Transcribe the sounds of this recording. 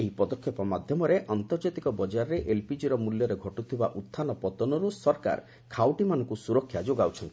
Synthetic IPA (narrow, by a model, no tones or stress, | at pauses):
eɦipɔd̪ɔkʰjɔpɔmad̪ʱjɔmɔɾeʔant̪ɔɾd͡ʒat̪ikɔbɔd͡ʒaɾɔɾeʔelpid͡ʒiɾɔmuljɔɾeɡʱɔʈut̪ʰiba̰ʔut̪ʰːanɔpɔt̪ɔnɔɾusɔɾka̰ɾ | kʰawʈimanɔ̃ŋkusuɾɔkʰːjad͡ʒoɡawt͡ʃʰɔnt̪i̥